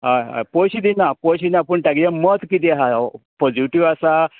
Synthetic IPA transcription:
a̰poɕid̪inapoɕinapəɳʈaɡlamət̪kit̪̬iɦapɔd͡ʑiʈiʋasa

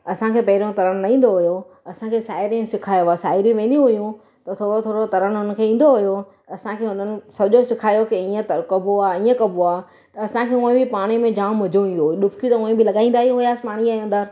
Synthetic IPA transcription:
ɐsãkʰeːpɐɦɪɾõt̪ɐɾəɽ̃nɐĩːn̆d̪oɦʊjo | ɐsãkʰeːsaːɪɾiẽsɪkʰaːjoasaːɪɾiʋẽːn̆d̪iũɦʊjũ | t̪ɐt̪ʰoːɽot̪ʰoːɽot̪ɐɾənɦʊn̆kʰeːĩːn̆d̪oɦʊjo | ɐsãkʰeːɦʊn̤ənɪ̆sɐbʱɪʄosɪkʰaːjokiĩːə̃t̪ɐkɐbʱoaːĩːə̃kɐbʱoaː | t̪ɐɐsãkʰeːũːẽbʱɪpaːɽ̃imẽd͡ʑãːɐd͡ʑũĩːn̆d̪õɗʊbʰɪkit̪ɐʊːẽbɪlɐɠaːĩnd̪aːɦijũɦʊjaːsɪpaːɽ̃iaːə̃nd̪əɾ

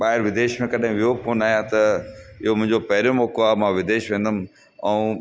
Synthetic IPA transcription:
ɓaːɦɪɾʋɪd̪eːʃmẽkɐɗɦɪ̃ʋijokoːnaːɦijãt̪ɐɪɦomʊ̃ɦɪ̃ɲd͡ʑopɐɦɪɾijomɔːkoaːmãʋɪd̪eːʃʋẽːn̆d̪əm̆ | ɛ̃ũ

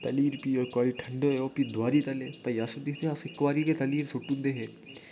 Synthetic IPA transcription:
t̪ɐliːɾpioːɪkːaːɾiʈʰɐɳɖoːeoːpiːd̪waːɾiːt̪ɐleːpɐijaːsod̪ɪkʰd̪eɦasɪkːʋaːɾiket̪ɐliːɾsʊʈːund̪eːɦeː

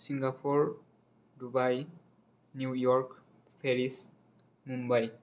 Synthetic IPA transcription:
siŋɡapʰɔɹ | dubaj | njujɔɹk | pʰɛɹis | mumbaj

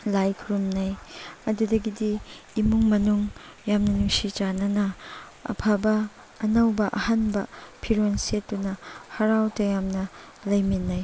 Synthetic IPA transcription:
lajkʰɾumnajɐdudɐɡidiːmuŋmɐnuŋ | jamnɐnuŋsit͡ʃanɐnɐ | ɐ̰pʰabɐː | nɐwbɐʔɐhanbɐpʰiɾonsetːunɐhɐɾawtɐjamnɐ | lɐjminːaj

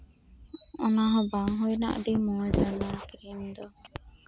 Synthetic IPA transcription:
ɔnaɦɔ̃baŋɦojna̰ʔdimɔɛzanakɾimd̪ɔ

